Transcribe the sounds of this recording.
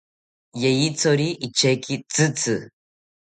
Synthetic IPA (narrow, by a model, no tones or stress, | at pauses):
jejit͡soɾiʔit͡ʃekit͡sɨt͡sɨ